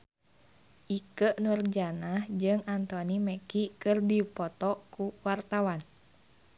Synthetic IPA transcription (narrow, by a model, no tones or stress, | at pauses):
ʔikəʔnurd͡ʒanahd͡ʒɨŋant̪ɔniməkikɨrdipɔt̪ɔkuwart̪awan